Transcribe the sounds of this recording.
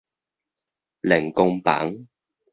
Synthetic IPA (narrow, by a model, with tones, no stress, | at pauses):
lɪ˨˩ŋkʊ˧ŋpa̰ː˨˥ŋ